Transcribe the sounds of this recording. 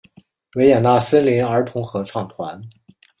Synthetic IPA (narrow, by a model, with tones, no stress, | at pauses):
we˧˥ɪjɛ˨˩na˥˩sə˥nli˧˥nə˞˧˥t̪ʰʊ˧˥ŋxɤ˧˥ʈ͡ʂʰɑ˥˩ŋt̪ʰwa̰˧˥n